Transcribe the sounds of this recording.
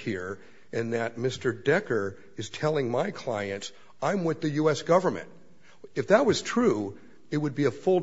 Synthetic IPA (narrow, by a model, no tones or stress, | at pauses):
hiɹ | ɨ̃nðɨt̚mɪstə˞dɛkə˞ | ɨz̥tʰɛlˠɪ̃ŋmaɪkʰl̥a̰ɪɨ̃ns | ãɪ̃mwɪðɨjʉɛsɡ̥ʌvə˞mɨ̰̃nt̚ | ɨfðət̚wʌz̥tʰɹ̥u | ɨt̚wɨd̚biəfʊlˠ